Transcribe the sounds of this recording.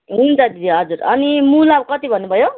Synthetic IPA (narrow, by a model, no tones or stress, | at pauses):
ɦunt͡sʰʌd̪id̪iɦʌd͡zuɾʌnimulabkʌt̪ibʱʌnːubʱʌjo